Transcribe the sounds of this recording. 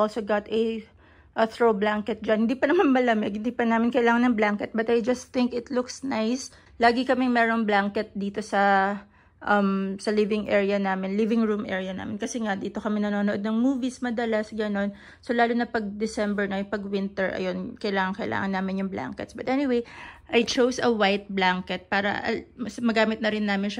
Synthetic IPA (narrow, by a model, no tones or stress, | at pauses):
olsoɡat̪ɐ | ʔθɹowblaŋkɛt̪̚d͡ʒɐnhɪnd̪iːpɐnɐmanmɐlɐmɛɡ̚hɪnd̪ipɐnaːmɪnkɐjɪlaːŋɐnːɐŋblaŋkɛt̪̚bɐt̪ʔɐjd͡ʒɐst̪θɪŋkɪt̪lʊksnajs | laːɡɪkɐmɪŋmɛːɾo̞ŋblaŋkɛt̪̚d̪iːt̪o̞sɐ | ʔɐmsɐlɪvɪŋʔɛɹjɐnaːmɪnlɪvɪŋɹumʔɛ̰ɹijɐna̰ːmɪnkɐsɛŋad̪iːt̪o̞kɐmɛnɐnoːnoʔo̞d̪nɐŋmuːvismɐd̪ɐlasɡɐno̞n | so̞laːlʊnɐpɐɡ̚d̪ɛsɛmbɛɹnɐjʊŋpɐɡwɪnt̪ɛɹʔɐ̰jo̞nkɐjlaːŋɐŋkɐjɪla̰ːŋɐnaːmɪnjʊŋbla̰ŋkɛ̰t̪sbɐt̪ʔɛnɪwejʔɐjt͡ʃowsɐwajt̪̚blaŋkɛt̪̚paːɾɐ̰ʔɐ̰mɐsmɐɡaːmɪt̪nɐɾɪnːaːmɪnʃɐ